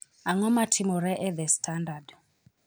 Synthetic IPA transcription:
aŋɔmatʰimɔɾɛʔɛðɛstʰandad

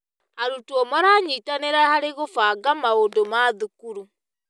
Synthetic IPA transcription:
aɾutuɔmɔɾaɲitaneɾahaɾeɣofaɡamaondomaðukuɾu

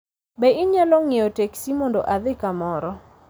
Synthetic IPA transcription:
bɛʔɪɲalɔŋeoteksimɔndoʔaðɪkamɔɾɔ

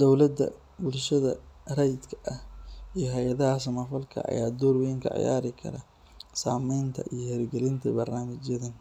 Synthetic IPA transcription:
d̪ɔwlɐd̪ːɐ̰ | bʊlʃɐðɐrɛjd̪kʰɐ̥ʔɐhijɞɦɛjɐðɐɦɐsɐmɐfɐlkʰɐ̰ɐ̰jaːd̪ɔːrwɛŋkʰɐ̰ʕɪ̰ja̰ːɾɪkʰɐ̰ɾɐ | saːmɛjnt̪ʰɐ̰ʔijɞhɛɾɡɛlɪnt̪ʰɐbɐrnaːmɪt͡ʃjɐðɐn

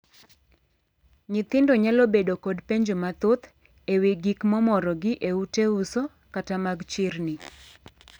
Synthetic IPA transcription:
ɲɪt̪ɪndɔɲalɔbedokɔdpeɲd͡ʒomat̪ʊt̪ | eweɡikmɔmɔɾɔɡɪʔeuteuso | katamaɡt͡ʃɪrnɪ

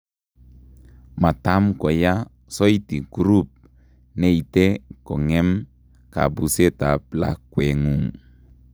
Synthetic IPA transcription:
mat̪amkoja | sɔjt̪iɡ̥uɾup̚ | neit̪ekɔŋɛm | ka̰buset̪apla̰kweŋuŋ

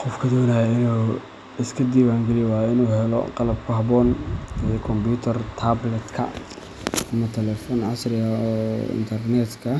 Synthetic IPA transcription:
qɔfkʰɐd̪ɔːnajɐɪnuː | ɪskʰɐd̪iːwaːŋɡɛlɪjwɑːjɪnuːɦɛlɔ̰qɑlɐb̚kʰʊɦɑbɔːnɛkʰɔmbuːt̪ʰɐrt̪ʰaːblɛt̪kʰɐ̰ | ɐmɐt̪ʰɛlɛfɔːnʕɑsrɪjɐɔɪ̰nt̪ʰɐrnɛt̪kʰɐ

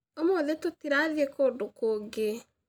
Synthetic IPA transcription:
omoːðetotiɾaðiekodokoːɡe

